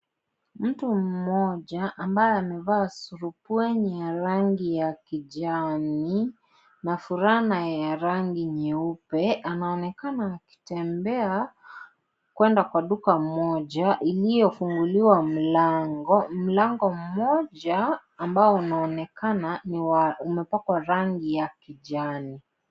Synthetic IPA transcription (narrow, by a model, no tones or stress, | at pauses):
m̩tum̩mɔʄaʔambajɛamɛvaːsuɾupuɛɲijaɾaŋɡijakiʄami | nafuɾanajaɾaŋɡiɲɛupɛanaɔnɛkanaːki̥tɛmbɛa | kwɛndakwaɗukamɔʄaʔilijɔfuŋɡuliwam̩laŋɡɔm̩laŋɡɔm̩mɔʄaːmbaɔunaɔnɛkananiaumɛpakwaɾaŋɡijakiʄani